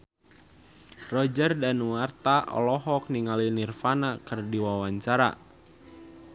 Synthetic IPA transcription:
rɔd͡ʒərdanuwart̪aʔɔ̰lɔɦɔk̚niŋalinirfanakɨrdiwawaɲt͡ʃaɾa̰

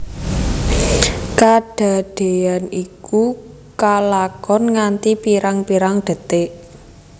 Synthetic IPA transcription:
kaɖ̥a̤ɖ̪̥e̤aniku | kalakɔnŋant̪ipiɾaŋpiɾaŋɖ̪̥ə̤t̪eʔ

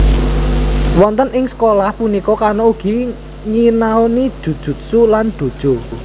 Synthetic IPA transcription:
wɔnt̪ənɪŋsə̥kolahpunikɔkarnouɡ̥i̤ | ŋinaoni̥d̥ṳd̥ʒ̥ṳt̪̚suland̪̥ṳd̥ʒ̥o̤

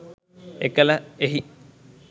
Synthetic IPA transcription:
ekələeɦi

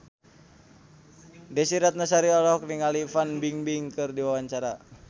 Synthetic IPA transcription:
dɛsiɾat̪̚nasaɾiɔlɔk̚niŋalifanbiŋbiŋkɨrdiwawaɲt͡ʃaɾa

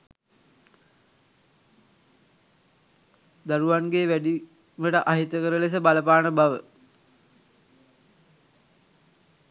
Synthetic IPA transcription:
d̪aɾuʋanɡeʋæɖi | məʈəʔaɦit̪əkəɾəles̬əbaləpaːnəbaʋə

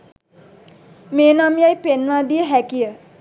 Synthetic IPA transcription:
meːnɔmijajpenʋaːd̪ijəɦækijə

